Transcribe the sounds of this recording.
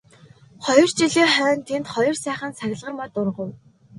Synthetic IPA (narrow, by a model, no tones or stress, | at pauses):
χɔjɞ̆r̥t͡ɕiɮeːχœːnt̪ʰent̪χɔjɞ̆rsæːχə̆nsaɣʲɪ̆ɮʁə̆rmɔt̪ʊrʁə̆w